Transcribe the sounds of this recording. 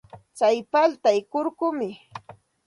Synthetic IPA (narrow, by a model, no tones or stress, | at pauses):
t͡sajpalt̪ajkʊɾkʊmɪ